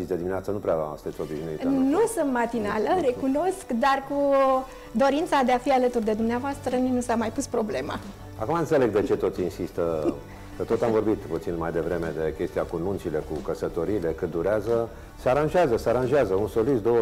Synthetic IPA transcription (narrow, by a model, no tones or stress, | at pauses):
isd̪ed̪imineat̪sənupɾeavast̪et̪ot̪iʒneitnusɨnt̪mat̪inaləre̞kuno̞skd̪arku | d̪o̞ɾint̪sad̪eafialət̪urd̪e̞d̪umneavoast̪ɾəninusamajpuspɾo̞ble̞ma̰ | akumaɨnsele̞ɡ̚d̪e̞t͡ʃe̞t̪o̞t̪sʲinsist̪ə | kət̪o̞t̪amvo̞rbit̪put̪sinmajd̪e̞vɾe̞me̞d̪e̞kʲe̞st̪iakununt͡ʃile̞kukəsət̪o̞ɾiːle̞kɨt̪̚d̪uɾeazə | seaɾanʒeazəseaɾanʒazəunsolisd̪oə